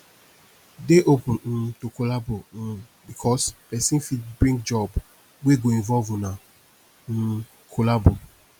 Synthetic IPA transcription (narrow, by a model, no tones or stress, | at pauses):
deʔopʊ̃nn̩tokolabo | bikʰɔspɛsĩnfidbɹĩɡd͡ʒɔb | weɡoĩɱvɔlvũna | n̩ | kʰolabo